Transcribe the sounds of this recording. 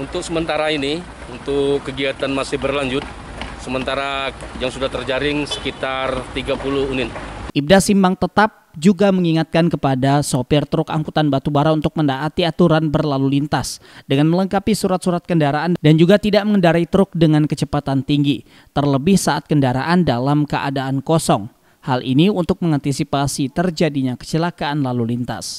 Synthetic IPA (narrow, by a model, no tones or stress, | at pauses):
unt̪ʊk̚səmənt̪aɾaini | unt̪ʊkːəɡiat̪anmasɪhbərlaɲd͡ʒʊt̪̚ | səmənt̪aɾajaŋsudaht̪ərd͡ʒaɾɪŋsə̥kit̪art̪iɡapuluhunɪt̪̚ʔib̚dasimaŋt̪ət̪ap̚d͡ʒuɡaməŋiŋat̪̚kankəpadasopɪrt̪ɾʊkaŋkut̪anbat̪ubaɾaunt̪ʊk̚məndaʔat̪iat̪uɾanbərlalulint̪asdəŋanmələŋkapisuɾat̪̚suɾat̪̚kəndaɾaandand͡ʒuɡat̪idaʔməŋəndaɾait̪əɾʊk̚dəŋankət͡ʃəpat̪ant̪iŋɡi | t̪ərləbɪhsaat̪̚kəndaɾa̰ʔandalamkəʔa̰daʔankɔsɔŋ | halʔḭniunt̪ʊk̚məŋant̪isipasit̪ərd͡ʒadiɲakə̥t͡ʃəlakaʔːnlalulint̪a̰s